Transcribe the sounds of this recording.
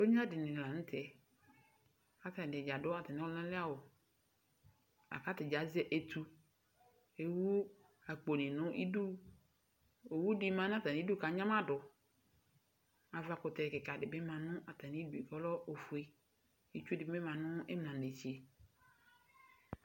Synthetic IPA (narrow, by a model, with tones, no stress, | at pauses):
o˦ɲ˦a˦dɪ˨nɪ̃˨la˨n̩˦tʰɛ˨ | a˨ta˨dɪ˨d͡ʒa˨dʊ˦a˨ta˨nɪ̃˨˦ɔ˦lã˦lɪ˦a˦wʊ˨ | a̰˨ka˦tɪ˨d͡ʒa˨˦zɛ˦ʔe˨tʰu˦ | e˨wu˦ | a˨k͡po˨nɪ˨nʊ̃˦ʔḭ˦du˦ | e˨wu˦dɪ˦mã˦n˦a˦ta˨ĩ˨˦du˦ka˨˦ɲã˦ma˦dʊ˨ | a˨va˨kʊ˨tɛ˨kɪ˨ka˨dɪ˨bɪ˦mã˨nʊ̃˦ʔa˨ta˨ni˦du˨i˨kɔ˦lɔ˦ʔo˨fu˨e˦ | i˦t͡ʃu˦dɪ˨bmɛ˦mã˨nʊ̃˦ɛ̰˦m˨nã˨n˨e˨t͡ʃi˨e˨